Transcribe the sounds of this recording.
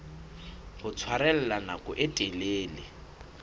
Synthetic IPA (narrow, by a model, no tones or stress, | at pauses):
ɣʊt͡sʰwaɾɛl̩lanakʼʊʔetʼeleːlɪ